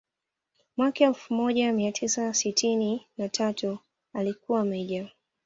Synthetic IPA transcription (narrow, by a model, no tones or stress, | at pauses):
mwakɛlfumɔʄamiatʰisasitʰininatʰatu | alikuwamɛʄa